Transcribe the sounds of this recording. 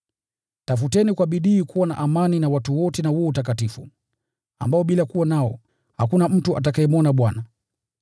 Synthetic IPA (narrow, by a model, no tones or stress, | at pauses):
tafutɛnikwaɓiɗiːkuwana̰ʔamaninawatuwɔtɛnahuɔutakatifu | a̰mbaɔɓilakuwanaɔ | hakunam̩tuʔa̰t̬akaɛmɔnaɓwana